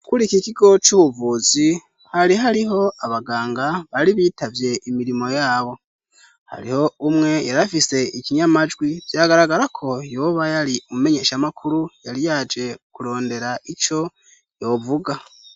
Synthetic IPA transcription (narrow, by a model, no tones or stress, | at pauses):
kuɾikikiɡo̞t͡ʃuβuvuzi | haɾiɦaɾiɦo̞aβaɡaːŋɡaβaɾiβiːtavje̞ʔimiɾimo̞jaːβo̞ | ha̰ɾiho̞umŋe̞jaɾafise̞iciɲamad͡ʒɡwivjaɡaɾaɡaɾakʰo̞jo̞βajaɾiumume̞ɲe̞ʃamakʰuɾujaɾijad͡ʒe̞kuɾo̞ːnde̞ɾait͡ʃo̞ | jo̞ːvuɡa